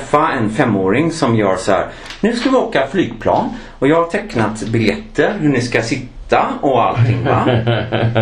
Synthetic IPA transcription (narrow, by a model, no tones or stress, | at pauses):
fːaɛnfɛmːoːɾɪŋsɔmjœːɾsɔhæ̰ːɾ | nʉ̟ːskavɪoːkaflyːɡpʰlɑ̰ːn | ɔjɑːɡhaʈ̪ʰɛknat̪bɪljɛt̪ːəɾɦɵɳɪskasɪt̪ʰːaɔa̰lt̪ʰːɪŋːva̰